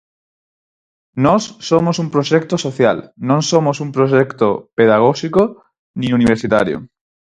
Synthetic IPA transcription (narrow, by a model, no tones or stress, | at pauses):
nɔsːomosumpɾoʃɛk̚t̪osoθja̰lnõŋsomosumpɾoʃɛkt̪opeðaɣ̞oʃiko | nĩuniβeɾsit̪a̰ɾjo̰